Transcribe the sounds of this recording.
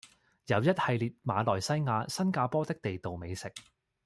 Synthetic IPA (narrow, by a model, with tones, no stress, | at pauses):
jɐ˨˧wjɐ˥t̚hɐ˨jliː˨t̚maː˨˧lɔː˨jsɐ˥jŋaː˨˧sɐ˥nkaː˧pɔː˥t̪ɪ˥k̚t̪e˨jt̪o˨wme˨˧jsɪ˨k̚